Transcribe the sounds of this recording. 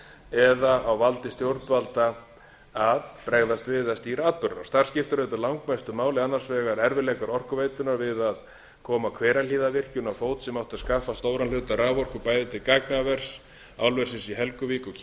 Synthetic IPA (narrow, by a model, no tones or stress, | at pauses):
ɛðaʔawvalt̪ɪst̪jowɾt̪valt̪a | aðpɾɛɣðast̪vɪðaðst̪iːɾaaːt̪̚pʏɾa̰ɾ̥st̪ar̥scɪft̪ʏɾœɥt̪alawŋkmajst̪ʏmaːwlɪanːḁsvɛːɣaɾɛɾvɪlɛːkaɾɔr̥kʏvejt̪ʏnaɾvɪðað | kʰɔːmakʰvɛːɾaliːðavɪr̥cʏnawfoːwt̪sɛmawht̪aðskafːast̪oːwɾanlʏt̪araːvɔr̥kʏpaːjðɪt̪ʰɪlkaknavɛr̥s | a̰wlvɛɾ̥sɪsiɦɛlkʏviːkɔ